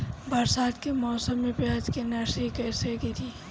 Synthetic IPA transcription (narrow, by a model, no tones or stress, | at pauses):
bɐɾsaːd̪kemɔːsəmːẽpaːd͡ʒkenɛseikɛːseɡit̪ʰiː